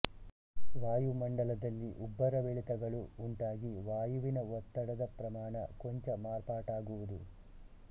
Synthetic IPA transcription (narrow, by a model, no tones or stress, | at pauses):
ʋaːjumɐɳɖɐlɐd̪ɐlːiʔubːɐɾɐʋeɭit̪ɐɡɐɭuːɳʈaːɡiʋaːjuʋinɐʋɔt̪ːɐɽɐd̪ɐpɾɐmaːɳɐ̰koɲt͡ʃɐmaːɾpaːʈaːɡuʋud̪u